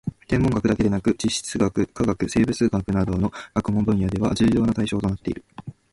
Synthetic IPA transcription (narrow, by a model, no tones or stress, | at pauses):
t̪ẽ̞mːo̞ŋɡakɯ̟d̪ake̞d̪e̞nakɯ̟d͡ʑiɕːi̥t͡sɨɡakɯ̟kaɡakɯ̟se̞ːbɯ̟t͡sɨːɡakɯ̟nad̪o̞ːno̞ɡ̥akɯ̟mõ̞mbɯ̟̃ɰ̃jad̪e̞β̞a̰d͡ʑɨːjo̞ːnat̪aiɕo̞ːt̪o̞nat̪ːe̞iɾɯ̟